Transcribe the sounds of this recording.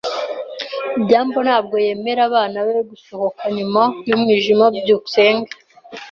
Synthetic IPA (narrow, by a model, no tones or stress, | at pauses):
bɟaːmbo̞n̥haːb̚ɡo̞je̞me̞ɾaβaːnawe̞ɡusoho̞kʰaɲumajummiʒimabɟuuse̞ːŋɡa